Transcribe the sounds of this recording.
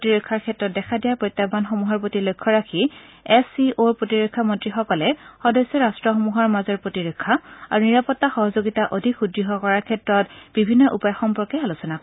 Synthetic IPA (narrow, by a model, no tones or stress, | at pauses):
tiɹɔkʰːaɹkʰɛtɹɔt̚dɛkʰadijapɹojt̪ːabanxɔmuɦaɹpotilojkʰːɔɹakʰi | ɛsioɹpɹotiɹɔkʰːamɔntɹixɔkɔlɛxɔdɔsːɔɹastɹɔxɔmuɦaɹmazɔɹpɹotiɹɔkʰːaa̰ɹuniɹapɔtːaxɔɦɔzoɡitaʔodʱikxudɹiɦɔkɔɹaɹkʰɛtɹɔtbibʱinːɔʔupɔjaxɔmpɔɹkɛalusɔna